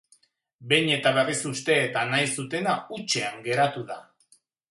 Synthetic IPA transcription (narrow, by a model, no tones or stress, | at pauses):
be̞jɲe̞t̪aβe̞risust̪e̞ːt̪anajsut̪e̞naut͡ʃe̞aŋɡe̞ɾat̪uða